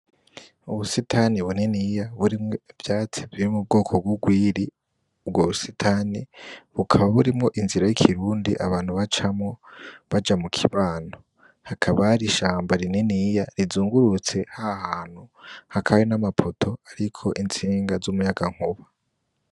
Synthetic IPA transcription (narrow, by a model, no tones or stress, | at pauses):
uβusitʰaːniβunenijaβuɾimŋevjaːt͡si̥βiɾimub̚ɡo̞ːkʰoɡuɡwiːɾi | ubɡwoβusitʰaniβukʰaβaβuɾimŋo̞ʔinziɾajikʰiɾuːndiʔaβaːn̥huβat͡ʃamŋo̞βad͡ʒamukʰiβaːno | hakʰaβaɾiʃaːmbaɾinenijaɾizuːŋɡuɾut͡se̞hahaːn̥huhakʰawinamapʰotʰo̞aɾikʰo̞ʔint͡siːŋɡazumujaɡaŋ̥huβa